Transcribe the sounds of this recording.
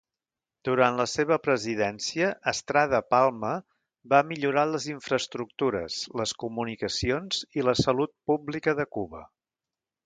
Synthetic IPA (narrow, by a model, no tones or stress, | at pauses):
d̪̥uɾanləseβ̞əpɾəziðɛnsiəʔːst̪ɾað̞əpalˠmə | bamiʎuɾaləziɱfɾəst̪ɾuk̚t̪uɾə̰zləskumunikəsionz̥iləsəlut̪̚publikəðəkuβə̰